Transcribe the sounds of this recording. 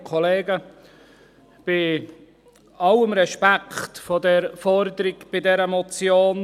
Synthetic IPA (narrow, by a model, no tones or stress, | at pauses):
kʰɔleːɡə | b̥ɪ | ɑwəmɾɛʃpækʰχtfɔdɛɾfɔɾd̪əɾɪɡb̥ɪdɛɾəmɔt͡sjoːn